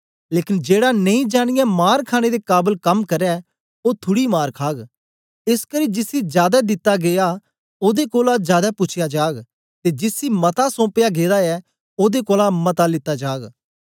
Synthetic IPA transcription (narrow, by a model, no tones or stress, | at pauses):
leːkɪnd͡ʒeːɽanɐĩd͡ʒaːɽ̃ɪjamaːɾkʰaːɽ̃ed̪ekaːbəlkɐmkɐɾɛ | ot̪ʰʊɽimaːɾkʰaːɡ | ɪskɐɾid͡ʒɪsid͡ʒjaːd̪ɛd̪ɪt̪ːaɡeːa | oːd̪ekoːlad͡ʒjaːd̪apʊt͡ʃʰɪjad͡ʒaːɡ | t̪ed͡ʒɪsimɐt̪asõːpjaɡeːd̪aɛ | oːd̪ekoːlamɐt̪alɪt̪ːad͡ʒaːɡ